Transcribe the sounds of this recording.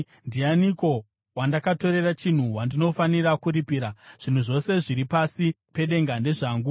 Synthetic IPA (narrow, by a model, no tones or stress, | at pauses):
ndianiko̞ | wandakato̞ɾe̞rat͡ʃin̤uwandino̞fanirakuɾipiːɾaʐ̥in̤uʐo̞se̞ʐiɾipasi | pe̞ɗe̞ŋɡande̞ʐaːŋɡu